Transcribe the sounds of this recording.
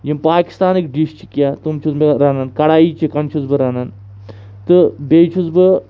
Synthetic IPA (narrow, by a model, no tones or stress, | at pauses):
jimpaːki̥st̪aːnikɖiʃt͡ʃʰi̥kʲjaːt̪umt͡ʃʰuzmeɾaːnɐnkɐɽaːiːt͡ʃʰikɐnt͡ʃʰuzbɨɾaːnɐn | t̪ɨbeːt͡ʃʰuzbɨ